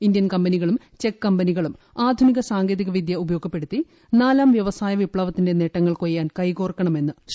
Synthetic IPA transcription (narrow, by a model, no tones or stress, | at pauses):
indjɐnkɐmbɐniɣɐɭum | t͡ɕe̞kːɐmbɐniɣɐɭum | aːd̪ʱuniɣɐsaːŋɡe̞ːðiɣɐʋid̪ʱjɐubɐjo̞ːɡʱɐpːe̞ɽut̪ːi | naːlaːmʋjɐʋɐsaːjɐʋipɭɐʋɐt̪ːinde̞ne̞ʈːɐŋːɐɭkojːaːnkɐjkoːrkːɐɳɐme̞nːɨ